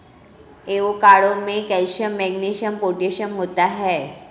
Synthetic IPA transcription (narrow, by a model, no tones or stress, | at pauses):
eʋokaɭomekɛjɕəmːɛɡniɕəmpoʈeɕəmɦot̪aɦɛ